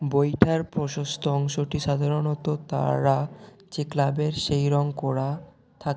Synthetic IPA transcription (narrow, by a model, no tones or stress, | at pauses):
bojʈʰaɾpɾoʃost̪ʰoɔŋʃoʈiʃad̪ʱaɾonot̪ot̪a̰ɾat͡ɕeklabeɾʃejɾɔŋkɔɾa | t̪ʰak